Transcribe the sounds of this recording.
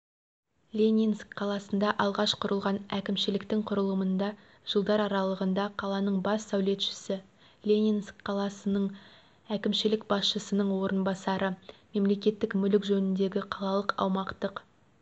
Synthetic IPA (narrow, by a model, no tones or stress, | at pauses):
lʲe̞nʲinskqʰːɑlˠɑsənd̪ɑʔɑlˠʁɑʃqʰʊɾəlˠʁɑnækʲɪmʃɪlɪkt̪ɪŋqʰʊɾəlˠəmənd̪ɑ | ʒ̥əlˠd̪ɑɾɑɾɑlˠəʁənd̪ɑqʰɑlˠɑnəɴbɑsːæwle̞t̪ʃɪ̥sɪ | lʲenʲinskqʰːɑlˠɑsənəɴ | ækʲɪmʃɪlɪkbɑsʃəsənəɴwo̞ɾənbɑsɑɾʔəme̞mle̞kʲe̞t̪ːɪkmʏlɪkʒɵnɪnd̪e̞ɡʲɪqʰɑlˠɑlˠəqɑ̰wmɑqt̪əq